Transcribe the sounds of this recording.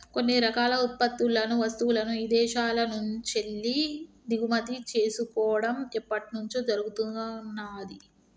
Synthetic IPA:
ko̞nːiɾɐkaːlɐut̪̚pɐt̪ːulɐnuʋɐst̪uwulɐnuiːd̪ɛːʃaːlɐnuɲt͡ʃelːi | d̪iɡumɐt̪it͡ʃeːsukɔːʋɐɽɐmɛpːɐʈinuɲt͡ʃud͡ʒɐɾuɡut̪unːaːd̪i

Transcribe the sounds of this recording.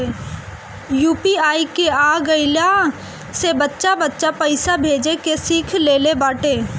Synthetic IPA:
juːpiaːikeaːɡəɪla | sebətːʃabətːʃapəɪsabʱeːd͡ʒekesikʰleːlebaːʈeː

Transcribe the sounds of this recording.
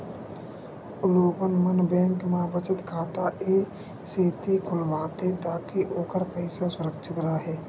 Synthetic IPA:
ʊloːpənmənbɛ̃ːŋkmãːbət͡ʃət̪kʰaːt̪aʔeː | seːt̪ikʰʊlʋaːt̪ẽt̪aːkiʔoːkəɾpəɪsasʊɾəkʃʰət̪ɾaɦɛː

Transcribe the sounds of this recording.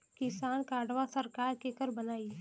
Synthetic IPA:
kɪsaːnkaːɖʋasəɾkaːɾkekəɾbɐnaːi

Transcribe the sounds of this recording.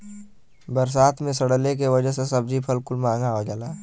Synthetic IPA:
bəɾs̬aːt̪ʰmẽsəɽlek̬eʋɐd͡ʒəɦsesɐbd͡ʒipʰɐlkʊlmãːŋɡaɦod͡ʒaːlaː

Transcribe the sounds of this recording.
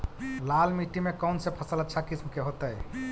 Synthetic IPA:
lalmiʈimekənsẽpʰəsələt̪ːt͡ʃʰakismkeɦot̪əj

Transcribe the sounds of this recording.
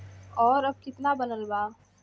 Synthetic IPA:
ɔːɾɐb̚kɪt̪nabɐnəlbaː

